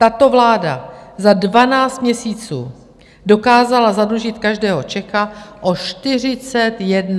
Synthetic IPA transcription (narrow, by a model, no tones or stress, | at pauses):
t̪at̪o̞vlaːdazadvanaːt͡st̪mɲɛsiːt͡sṵː | do̞kaːzalazadluʒɪt̪kaʒdɛːɦo̞t͡ʃɛxaʔo̞ʃt̪ɪr̝ɪt͡sɛt̪jɛdn